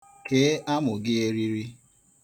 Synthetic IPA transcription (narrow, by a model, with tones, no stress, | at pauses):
kʰeː˨˦a˦mʊ˨ɡɪ˦e˦ɾi˦ɾi˦